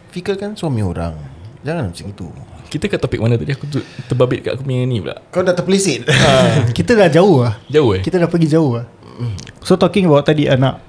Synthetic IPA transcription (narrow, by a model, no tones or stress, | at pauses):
fikəkanswamĩo̰ɾa̰ŋd͡ʒaŋanamat͡ʃaŋit̪ṵkit̪əkaʔt̪opɪk̚manət̪adiakut̪ut̪əbabɪt̪̚ka̰ʔkumiŋanibla̰ʔkaudat̪əplisɪt̪̚akit̪ədahd͡ʒaʊhhd͡ʒaʊɛkit̪ədahpəɡid͡ʒaʊɦah̩ | sot̪ɔkɪŋəbawʔt̪adiʔanaʔ